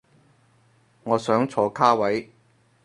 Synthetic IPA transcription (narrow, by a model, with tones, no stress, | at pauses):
ŋɔː˨˧sœː˨˥ŋt͡sʰɔː˨˧kʰaː˥wɐ˨˥j